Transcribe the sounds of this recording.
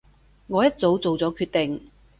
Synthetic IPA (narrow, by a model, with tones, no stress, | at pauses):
ŋɔː˨˧jɐ˥t̚t͡so˨˥wt͡so˨wt͡sɔː˨˥kʰyː˧t̪e˨ŋ